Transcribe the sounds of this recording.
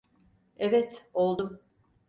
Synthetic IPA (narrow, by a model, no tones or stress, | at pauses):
ɛvɛt̪o̞lˠd̪um